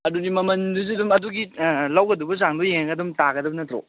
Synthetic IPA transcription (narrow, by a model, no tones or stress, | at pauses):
ɐdudimɐmɐnduz̬idumɐduɡilawɡɐdubɐzaŋdojeŋɐɡɐdumtaɡɐdɐbɐnɐtɾo̰